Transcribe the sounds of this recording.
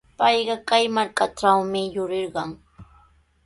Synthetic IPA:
pɑjɢɑkajmaɾkaʈ͡ʂawmɪjʊɾɪɾɢɑŋ

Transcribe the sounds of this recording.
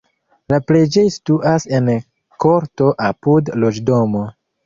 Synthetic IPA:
lapled͡ʒe̞jstuʔase̞n | ko̞ɾto̞ʔapudlo̞d͡ʒdo̞mo̞

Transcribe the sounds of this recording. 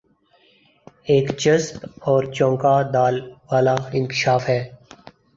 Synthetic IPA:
eːkt͡ʃəspɔːɾt͡ʃɔ̃ːŋkad̪aːlʋaːlaɪ̃nkɪ̥ʃaːfɦɛː

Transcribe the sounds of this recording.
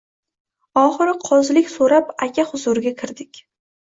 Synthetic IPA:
ɒχɨɾɪqʰɒzlɪkʲsoɾapakʲʰahʊzʊɾɪɡʲakʲʰɪɾd̪ɪkʲ

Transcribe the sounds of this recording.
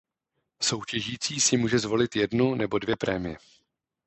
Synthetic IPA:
so̞wcɛʒiːt͡siːsɪmuːʒɛzvo̞lɪt̪jɛdnunɛbo̞dvjɛpɾɛːmɪjɛ

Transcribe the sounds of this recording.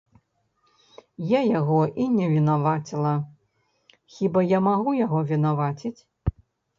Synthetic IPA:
jajaɣɔʔinʲɛvʲinavat͡sʲilˠɐ | xʲibajamaɣujaɣɔvʲinavat͡sʲit͡sʲ

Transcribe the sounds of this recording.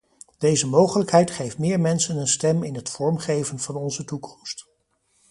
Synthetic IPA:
d̥ejzəmowχələkɦɛjtχejftmɪːɹmɛnsənənstɛmɪnɦətfɔɹmχejvənv̥ɑnɔnzətukʰɔ̥mst

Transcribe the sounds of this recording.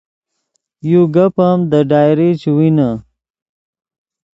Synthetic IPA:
juɡɐpamd̪əɖaːjɾit͡ʃwina

